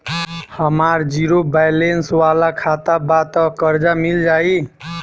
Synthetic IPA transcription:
həmaɾd͡ʒiɾobajlenswalakʰat̪abat̪əkəɾd͡ʒamild͡ʒai

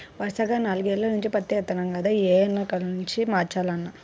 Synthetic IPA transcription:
ʋɐɾsɐɡaːnaːluɡeːlːɐnuɲt͡ʃipɐt̪ːeɛt̪ːɐnɐŋɡɐd̪aeːɐnːɐkɐlnuɲt͡ʃimaːɾt͡ʃaːlɐnːa

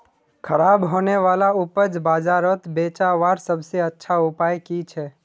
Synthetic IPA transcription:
kʰəɾaːbɦoːneʋaːlaʊpəd͡ʒbaːd͡ʒaɾət̪beːt͡ʃaʋaɾsəbʱseətːʃʰaʊpaːjkit͡ʃʰɛː

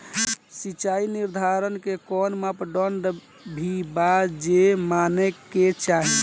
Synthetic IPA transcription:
sit͡ʃainiɾd̪ʱaɾənkekɔnmapɖɔɳɖ | bʱibad͡ʒemaneket͡ʃaɦi

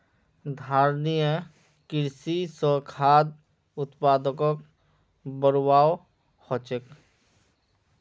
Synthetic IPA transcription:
d̪ʱaːɾnijə | kɪɾsisəkʰaːd̪̚ | ʊt̪paːd̪əkɔk | bəɾwaːw | hɔt͡ʃek

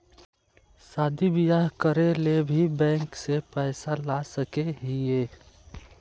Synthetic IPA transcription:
saːd̪ibijaɦkəɾelebʱibɛ̃ːŋksepɛːsalasəkeɦieː

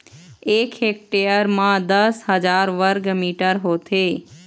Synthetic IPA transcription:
ekɦek̚ʈejəɾmãd̪əsɦəd͡ʒaɾʋəɾɡmiʈəɾɦot̪ʰe

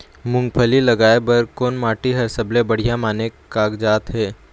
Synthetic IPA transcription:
mʊ̃ŋɡpʰəlilɐɡaːebɐɾkoːnmaːʈiɦɐɾsɐblebɐɽ̤ijamaːnekaːɡd͡ʒaːt̪ɦɛː

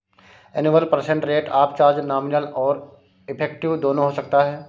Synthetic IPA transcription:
ɛnɪʋəlpɐɾsẽɳʈɾeːʈaːpt͡ʃaːɾd͡ʒnaːmɪnəlɔːɾ | ɪpʰeːk̚ʈɪʋd̪oːnõɦosɐk̚t̪aɦɛː

